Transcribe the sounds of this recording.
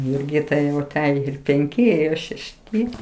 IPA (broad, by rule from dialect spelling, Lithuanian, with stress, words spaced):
jʊrʲˈɡʲɪtɐɪ jɛʊ ɐˈtʲæːjoː ɪr pʲɛŋʲˈkʲɪ ɪr ʃʲɛʃʲˈtʲɪ